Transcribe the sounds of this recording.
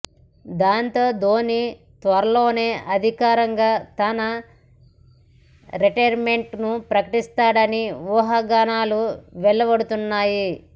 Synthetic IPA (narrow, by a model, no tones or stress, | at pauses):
d̪aːnt̪o̞ːd̪oːni | t̪ʋɐɾɐlo̞ːne̞ːʔɐd̪ʱikaːɾɐŋɡaːt̪ɐnɐ | ɾeʈɐjɾme̞ɳʈnupɾɐkɐʈist̪aːɽɐniʋuːɦaːɡaːnaːluʋɛɭːɐbɐɽut̪unːaːji